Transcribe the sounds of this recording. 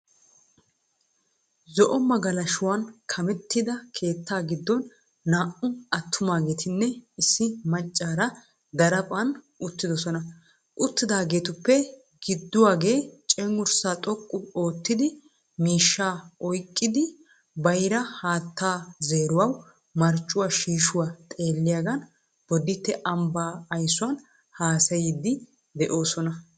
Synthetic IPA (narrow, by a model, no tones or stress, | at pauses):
zɔʔɔmɐɡɐlɐʃʊwankʰɐmɛt̪ːɪd̪ɐkʰe̞ːt̪ːaːɡɪd̪ːɔnː | aːʔʊɐt̪ʰːʊmaːɡe̞ːt̪ʰɪnːɛɪsːɪmɐt͡ʃʼːaːɾɐ | d̪ɐɾɐpʼɐn | ʊt̪ːɪd̪ɔsɔnɐ | ʔʊt̪ːɪd̪aːɡe̞ːt̪ʊpːɛ | ɡ̥ɪd̪ːʊwaːɡe̞ːt͡ʃʼɛŋʊɾsaːt̪ʼɔkʼːʊo̞ːt̪ːɪd̪ɪ | miːʃːaːɔjkʼːɪd̪ɪ | bɐjɾɐhaːt̪ːaːzeːɾʊwɐw | mɐɾt͡ʃʼːʊwaːʃiːʃʊwaːt̪ʼe̞ːlːɪjaːɡɐn | b̥ɔd̪ɪt̪ːɛʔɐmbaːɐjsʊwɐn | haːsɐjɪd̪ːɪ | d̪ɛʔo̞ːsɔnɐ